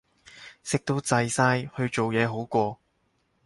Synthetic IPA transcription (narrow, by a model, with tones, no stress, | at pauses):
sɪ˥k̚t̪o˧˥wt͡sɐ˧jsaː˥jhɵ˧ɥt͡ʃo˨wjɛː˨˧ɦo˨˥wkʷɔː˧